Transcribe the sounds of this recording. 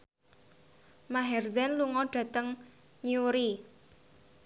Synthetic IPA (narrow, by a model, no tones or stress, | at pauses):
maɦɛrzɛnluŋɔɖ̥ä̤t̪əŋ | ɲuɾi